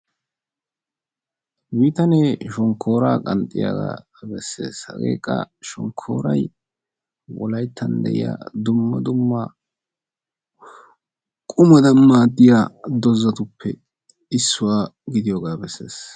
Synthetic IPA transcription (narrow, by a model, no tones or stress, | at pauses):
biːt̪ɐneːʃɔŋkʰːo̞ːɾaːkʼɐnt̪ʼːɪ̰ja̰ɡa̰ː | bɛsːe̞̰ːshɐ̰ɡe̞̰ːkʼːɐ̰ʃɔŋkʰːo̞̰ːɾɐj | wɔlɐjt̪ːɐnd̪ɛ̰ʔɪ̰ja̰ːd̪ʊmːɐd̪ʊmːa | kʼʊmɐd̪ɐmːaːd̪ɪjaːd̪ɔzːɐt̪ʊpʰːɛ | ɪsːʊwaːɡɪd̪ɪjoːɡaːbɛsːe̞ːs